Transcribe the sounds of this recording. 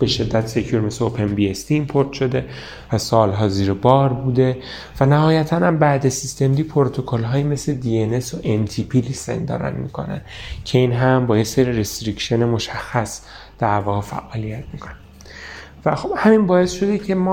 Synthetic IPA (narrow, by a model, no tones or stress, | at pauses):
be̞ʃe̞d̪ːæt̪se̞cʰjuːɾme̞sleopʰe̞nbiest̪ʰiːnpʰoɾt̪ʃo̞d̪e̞ | væsɒːlɦɒːziːɾebɒːɾbuːd̪e̞ | vænæhɒːjæt̪ʰænhæmbæʔd̪esist̪e̞md̪ipʰoɾt̪ʰo̞kʰolɦɒːjime̞sled̪iene̞soʔent̪ʰipʰilise̞̰nd̪ɒ̰ːɾæ̰nmḭːkʰo̞̰næ̰ncʰe̞iːnɦæmbɒːjeseɾiɾest̪ɾicʃe̞nemo̞ʃæxːæs | d̪̥æɾvɒːɣe̞fæ̰ʔɒːlijæt̪ʰmikʰonæ | væxob̥hæminbɒːe̞sʃo̞d̪ecʰe̞mɒː